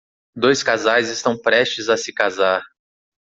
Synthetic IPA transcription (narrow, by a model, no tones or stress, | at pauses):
d̪ojskazajzɪst̪ɐ̃w̃pɾɛʃt͡ʃɪzasɪkazaɾ